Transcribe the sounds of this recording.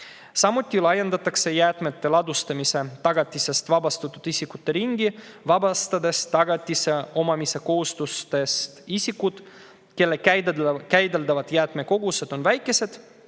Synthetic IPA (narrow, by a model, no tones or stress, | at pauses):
sɑmut̪ʲːˑilɑje̞nd̪̥ɑt̪ːˑɑkse̞jæːt̪me̞t̪ːe̞lɑd̪ust̪ɑmise̞t̪ɑɡ̥ɑt̪ʲːˑise̞st̪vɑbɑst̪ut̪ːˑud̪̥isʲikut̪ːe̞ɾiŋɡivɑbɑst̪ɑd̪e̞st̪ɑɡ̥ɑt̪ʲːˑise̞o̞mɑmise̞ko̞hust̪ust̪e̞st̪isʲikːud̪̥ | ke̞lːe̞k̪kæjd̪e̞ld̪ɑvɑd̪̥jæːt̪me̞ko̞ɡ̥use̞d̪̥o̞nvæjkːˑe̞se̞d̪̥